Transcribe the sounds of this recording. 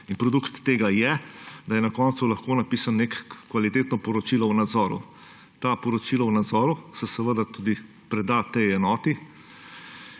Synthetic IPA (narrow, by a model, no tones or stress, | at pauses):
inpɾɔd̪ukt̪ːeːɡajɛd̪ɐjɛnakɔːnt̪sulɐxkoːnapiːsannekːʋalit̪eːt̪nɔpɔɾɔt͡ʃiːlawnad̪zɔːɾṵ | t̪aːpɔɾɔt͡ʃilawnad̪zɔːɾusɛsɛʋəd̪at̪ud̪i | pɾɛd̪at̪ɛjɛnɔːt̪i